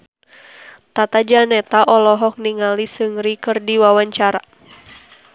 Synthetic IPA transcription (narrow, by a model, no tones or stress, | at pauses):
t̪at̪ad͡ʒanɛt̪aʔɔlɔɦɔk̚niŋalisɨŋɾikɨrdiwawaɲt͡ʃaɾa